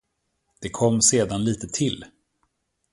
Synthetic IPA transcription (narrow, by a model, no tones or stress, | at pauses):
d̪̥ɛkʰɔmːseːd̪anliːt̪ət̪ʰɪl